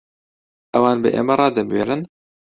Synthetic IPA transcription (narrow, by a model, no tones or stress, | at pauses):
ʔɛwaːnbɨʔḛːmɛɾˤɑːd̪ɛbweːɾɨn